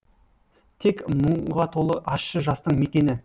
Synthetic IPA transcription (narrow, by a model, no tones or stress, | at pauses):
t̪ʰe̞kməɴʁɑt̪ʰo̞lˠəʔɑsʃəʒɑst̪əɴme̞kʲe̞nɪ